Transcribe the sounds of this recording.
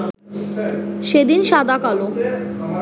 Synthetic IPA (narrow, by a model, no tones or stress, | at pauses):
ʃed̪inʃad̪akalo